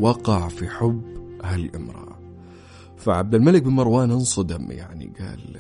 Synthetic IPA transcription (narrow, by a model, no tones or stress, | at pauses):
wɑqɑʕfiħʊbːhalʔɪmɾˤɑ̰ʔa | faʕab̚d̪almalɪk̚bɪnmɑɾˤwaːnɪnsˤɑd̪amja̰ʕnḭɡa̰ːl